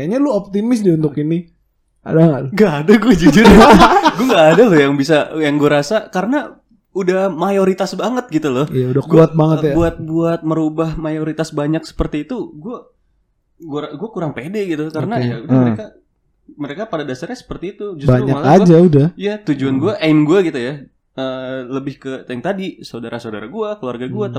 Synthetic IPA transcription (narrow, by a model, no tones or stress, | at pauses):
aɲaluop̚t̪imɪsdiunt̪ʊkini | a̰daŋɡaːdaɡuad͡ʒud͡ʒudiɡuaŋɡaːdalʊjaŋbisajaŋɡuaɾasakaɾəna | udahmajoɾit̪asbaŋət̪̚ɡit̪ulʊhijaudakuat̪̚baŋət̪jbuat̪̚buat̪̚məɾubahmajoɾit̪asbaɲak̚sə̥pərt̪iːt̪uɡua | ɡaɡuakuɾaŋpedɛɡit̪ukaɾənajaudahməɾeka | məɾekapadadasarɲasə̥pərt̪iːt̪ud͡ʒʊsb̪aɾuɲaalad͡ʒaudahijat̪ud͡ʒuanɡuaʔamɡuaɡit̪uja | əːləbɪhkət̪ajŋt̪adisaodaɾʔasodaɾaɡuakəluarɡaɡuat̪